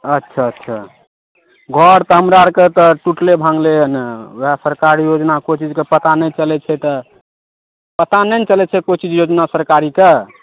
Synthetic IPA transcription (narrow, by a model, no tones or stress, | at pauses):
ətːʃʰaətːʃʰa | ɡʱɔɾt̪ɔɦəmɾaɾket̪ɔʈuʈlebʱãŋɡleəneɦasəɾkaɾijod͡ʒnakot͡ʃid͡ʒkepət̪anɛt͡ʃəlɛt͡ʃʰɛt̪ə | pət̪anɛnt͡ʃəlɛt͡ʃʰɛkot͡ʃid͡ʒjod͡ʒnasəɾkaɾike